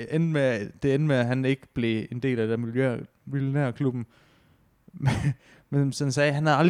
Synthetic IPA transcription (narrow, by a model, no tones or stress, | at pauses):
en̥med̥e̝en̥meæɦæne̝ɡ̥əb̥le̝e̝nd̥e̝̰ːlæde̥æɐ̰miljø | miljo̝næɐ̰kʰlub̥n̩ | me | menshænsɛːɦænhæðˠɑ̈l̥